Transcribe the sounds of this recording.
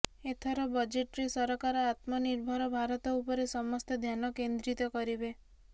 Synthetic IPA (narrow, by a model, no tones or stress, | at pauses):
et̪ʰɔɾɔbɔd͡ʒeʈɾesɔɾɔkaɾɔat̪mɔniɾbʱɔɾɔbʱaɾɔt̪ɔupɔɾesɔmɔst̪ed̪ʱjanɔkend̪ɾit̪ɔkɔɾibe